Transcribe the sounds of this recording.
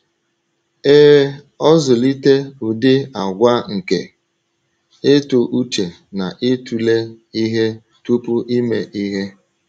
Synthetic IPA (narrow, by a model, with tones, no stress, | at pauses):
eː˦ | ɔ˦zʊ˨li˦te˦u˨dɪ˦a˨ɡʷa˦ŋ̩˨ke˨ | ɪ˦tʊ˨ʔu˦t͡ʃe˨ | na˨ʔɪ˦tu˨le˦i˦ɦe˦ | tu˦pʊ˦ʔi˦me˨ʔi˦ɦe˦